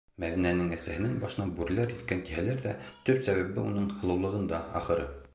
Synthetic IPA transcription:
mæðinænɘŋæsæhɘ̆næŋbɑʃɤ̆nɑbʉɾlæɾjɘ̆t̪̚kænt̪iɦælæɾðæt̪ɵpsæβæβɘunɤɴhɤ̆lˠɤ̆wlˠɤ̆ʁɤ̆nd̪ɑɑ̰χɤ̆ɾɤ

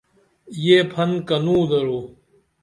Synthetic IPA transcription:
jeːpʰɐnkɐnũːd̪ɐɾoː

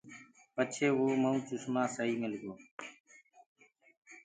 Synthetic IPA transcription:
pət͡ʃʰeːʋoːməũːt͡ʃʊsmãːsəɦiːmɪlɡoː

